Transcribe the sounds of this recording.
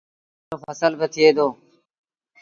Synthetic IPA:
oːfəsəlbət̪ʰɪeːd̪oː

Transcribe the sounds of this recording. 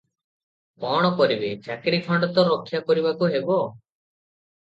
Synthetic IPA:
kɔɽ̃ɔkɔɾibet͡ʃakɾipʰɔɳɖɔt̪ɔɾokʰːjakɔɾibakuɦebɔ

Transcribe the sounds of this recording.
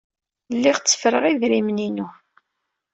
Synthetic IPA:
lːiʁt͡sːə̥fɾəʁiðɾimninu

